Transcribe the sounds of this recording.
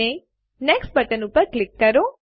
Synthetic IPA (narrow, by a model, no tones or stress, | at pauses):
e | neksʈ̚bɐʈənupəɾklɪkːɐɾo